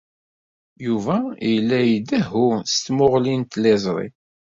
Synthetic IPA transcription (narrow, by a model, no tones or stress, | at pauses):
juvæjlːæjid̪æɦust̪mʊʁlint̪lɛzˤɾˤḭ